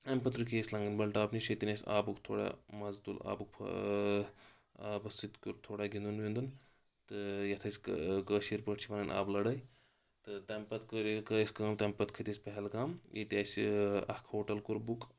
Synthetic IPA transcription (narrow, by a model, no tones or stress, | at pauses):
ɐmʲpɐt̪ɾukʰʲeːsʲlɐŋɡɐnʲbɐlʈaːbniʃʰɐt̪inʲesʲa̰ːbukt̪ʰo̰ːɽa̰mɐzd̪ula̰ːbukpʰ | aːbɐsit̪kʲuɾt̪ʰoːɽaɡʲind̪unʋind̪un | t̪ɨjɐt̪ʰɐsʲkkəːʃiɾpəʈt͡ʃʰiʋɐnɐnʲʔa̰ːblɐɽɐj | t̪ɨt̪ɐmʲpɐt̪kəɾkəjsʲkɐːmt̪ɐmpɐt̪kʰɐt̪ʲesʲpɐɦɛlkamjit̪ʲaːsɐ̰hkʰhoːʈɐlkuɾbuk